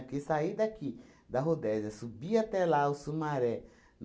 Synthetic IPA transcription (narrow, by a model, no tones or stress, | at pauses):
kisaid̪aki | d̪aɦud̪ezasubiat̪ɛlausumaɾɛ | n